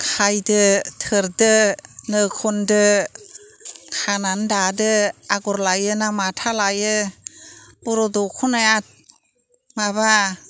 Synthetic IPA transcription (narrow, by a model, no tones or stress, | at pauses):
kʰajdɯtʰɯɾdɯnɯkʰɔndɯ | kʰanandadɯaɡɔɾlajɯnamatʰalajɯ | b̥uɾɔdɔkʰunajat̚ | maβa